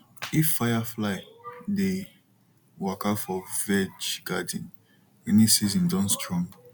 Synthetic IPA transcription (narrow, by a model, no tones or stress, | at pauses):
ifːajaflaɪde | wakafɔvɛd͡ʒɡ̥adĩn | ɛnisizĩndɔ̃nstɹɔ̃m